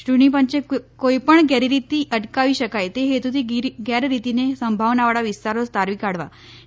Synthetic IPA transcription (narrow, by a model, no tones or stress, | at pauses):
ʈuɳipəɲt͡ɕekojpəɳɡjaɾiɾit̪iːʔəʈkaʋiɕəkajt̪eɦet̪ut̪iːɡjaɾɾit̪inesəmbʱaʋnaʋəɽaʋist̪aɾost̪aɾʋikaɽʋa̰